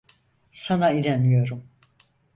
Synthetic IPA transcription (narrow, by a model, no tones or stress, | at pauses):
sanaiɾenijo̞ɾum